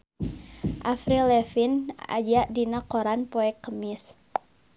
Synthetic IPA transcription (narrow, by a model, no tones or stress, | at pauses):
ʔafɾilɛfina̰d͡ʒaʔdinakoɾanpoɛkːəmɪs